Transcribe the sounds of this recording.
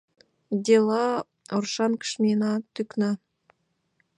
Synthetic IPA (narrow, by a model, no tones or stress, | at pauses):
d̪ʲelˠɑ | orʃɑnkə̥ʃmʲenɑt̪yknɑ